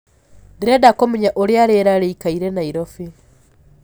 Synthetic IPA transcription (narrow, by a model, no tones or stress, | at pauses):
diɾedakomuɲaʔoɾjaɾeɾaɾeikaiɾenaiɾofi